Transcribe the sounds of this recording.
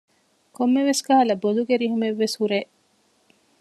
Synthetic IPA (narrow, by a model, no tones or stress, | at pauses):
komːeʋesɡaɦɐlɐboluɡeɾiɦumeʋːeshuɾeː